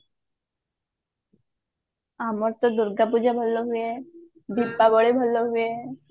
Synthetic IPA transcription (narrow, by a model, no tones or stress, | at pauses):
amɔɾt̪ɔd̪ʊɾɡapud͡ʒabʱəlːoɦue | d̪ipːabɔɽebʱəlːoɦue